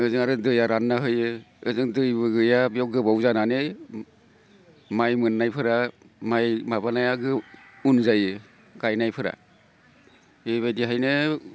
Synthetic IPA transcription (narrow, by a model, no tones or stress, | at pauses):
ɯzɯŋaɾɯdɯjaɾanːaɦɯjɯɯzɯŋdɯjbɯɡɯjabijɔw̚ɡɯbawzananɯ | majmɯnːajpʰɯɾa | majmabanajaɡɯ | unzajɯ | ɡajnajpʰɯɾa̰ | ɯβajdiɦajnɯ